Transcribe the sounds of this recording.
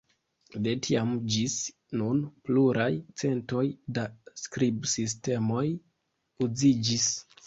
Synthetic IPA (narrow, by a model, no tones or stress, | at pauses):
detʰiamd͡ʒis | nunpluɾʔajt͡se̞nto̞jdaskɾibsis̬te̞mo̞j | ud͡zid͡ʒis